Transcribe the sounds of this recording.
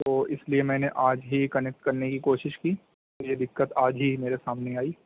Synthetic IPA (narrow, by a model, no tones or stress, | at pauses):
t̪oːʔɪsliemɛ̃ːneʔaːd͡ʒɦikɐnɛk̚ʈkɐɾnekikoːʃɪʃkiː | ɔːɾjed̪ɪkːət̪aːd͡ʒɦimeːɾesaːmneaːiː